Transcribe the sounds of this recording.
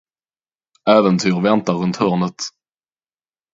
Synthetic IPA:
æːvənt̪ʰyːɾvɛnt̪aɾɵnt̪hœːɳət̪

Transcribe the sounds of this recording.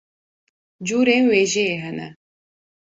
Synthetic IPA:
d͡ʒuːɾeːnweːʒeeɦɛnɛ̰

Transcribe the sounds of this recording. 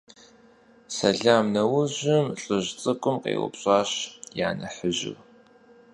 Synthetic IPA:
sɐɮaːmnɐwʊʑɪmɬʼɨʑt͡sʼɨkʷʼʊmqʼḛːwʊ̰pɕʼaːɕja̰ːnɐħəʑɪ̰w

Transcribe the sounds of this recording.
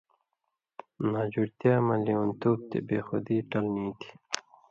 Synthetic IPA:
naːd͡ʑuɾt̪jaːmɐliunt̪uːb̚t̪ḛbeːxod̪iːʈɐlniːt̪ʰi̥

